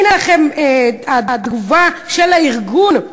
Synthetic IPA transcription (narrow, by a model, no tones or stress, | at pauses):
nalχemead̪d̪ɡuvaʃelaiʁɡun